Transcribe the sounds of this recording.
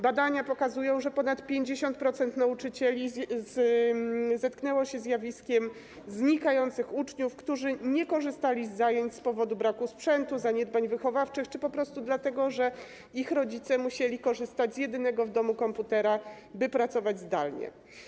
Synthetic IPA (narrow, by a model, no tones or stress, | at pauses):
bad̪aɲapɔkazujɔ̃w̃ʐɛpɔnat̪pʲjeɲd͡ʑeɕɔnt̪̚pɾɔt̪sɛnt̪naut͡ʂɘt͡ɕɛlʲiz | zɛt̪knɛwɔɕɛzjavʲiskʲɛm | zɲikajɔnt̪sɘxut͡ʂɲufkt̪uʐɘɲɛkɔʐɘst̪alʲizːajeɲt͡ɕʲspɔvɔd̪ubɾakuspʂɛnt̪uzaɲɛd̪baɲvɘxɔvaft͡ʂɘxt͡ʂɘpɔpɾɔst̪ud̪lat̪ɛɡɔʐɛ | ixɾɔd͡ʑit̪sɛmuɕelʲikɔʐɘst̪ad͡ʑzjɛd̪ɘnɛɡɔvd̪ɔmukɔmput̪ɛɾa | bɘpɾat̪sɔvad͡ʑzd̪a̰lɲɛ̰